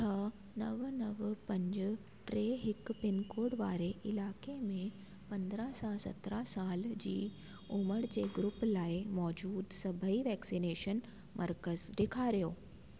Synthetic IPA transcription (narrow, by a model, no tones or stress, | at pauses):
t̪ʰɐ | nɐʋnɐʋpɐ̃ɲd͡ʑʊ̆ | ʈɾeːɦɪkpɪnkoːɽʋa̰ːɾeʔɪlaːkemẽ | pɐ̃nd̪ɾasasɐ̰t̪ɾasaːld͡ʑḭː | ʊməɽd͡ʑeːɡɾʊplaːɪmɔːd͡ʑuːd̪sɐbʱəiʋɛːksineːʃən | mʔɐɾkəzɖ̪ekʰaːɾijoː